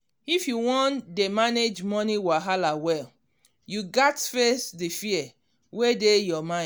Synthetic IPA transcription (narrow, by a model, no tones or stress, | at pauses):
ifjuwɔ̃ndemaned͡ʒmɔniwaɦalawɛl | juɡatfɛsdifiɛ | wedejɔmã